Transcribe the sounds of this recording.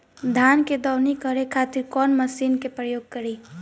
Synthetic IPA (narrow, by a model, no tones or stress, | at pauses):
d̪ʱaːnked̪ɔːwnikəɾekʰaːt̪ɪɾkɔːnmɐsiːnkepɾəjoːɡ̚kɐɾiː